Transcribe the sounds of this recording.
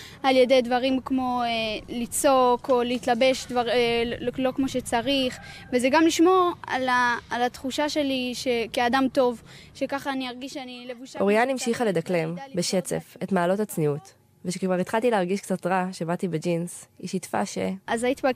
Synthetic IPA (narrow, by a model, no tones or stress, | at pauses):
aljede̞jdvaʁimkmo̞elit͡so̞ko̞leitlabe̞ʃdvaʁ | lo̞kmo̞ʃe̞t͡saʁiχvezeɡamliʃmo̞ʁalaːlat̪χuʃaʃe̞liʃe̞keadamto̞vʃe̞kaχaːniaʁɡiʃanilevuʃoʁijanimʃiχale̞d̪akle̞mbeʃe̞t͡sḛfe̞tmaːlo̞tat͡sniut | veʃekvaʁit̪χaltileaʁɡiʃkt͡satʁaʃebatibed͡ʒinsḭʃitfa̰ʃḛazajit̪iba